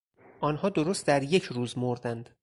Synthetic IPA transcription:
ʔɒːnɦɒːd̪oɾost̪̚d̪æɾje̞cʰɾuːzmoɾd̪ænd̪̥

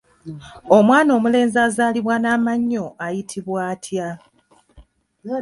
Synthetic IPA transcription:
o̞mwaːno̞ːmule̞ːnzaːzaːliβwanaːmaɲːo̞ʔajitʰiβwaːtʰja

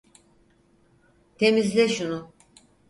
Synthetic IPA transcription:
t̪ʰemizd̪ɛʃunʊ

